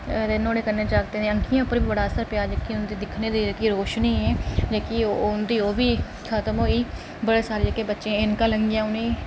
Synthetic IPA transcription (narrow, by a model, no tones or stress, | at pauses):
t̪enoːɽeːkəɾneːt͡ʃaːk̚t̪eeə̃ŋkʰijãːʊpəɾbiːbəɽaːsəɾpɪjaːd͡ʒəkːiʊnd̪iːd̪ɪkʰneːd̪iːd͡ʒkiːɾoːʃniːɦɛ̃ːd͡ʒekioʊnd̪iːoːbiː | kʰat̪əmɦoːiː | bəɽeːsaːɾed͡ʒəkːeːbətːʃẽːɪnkãːləŋɡjãːʊne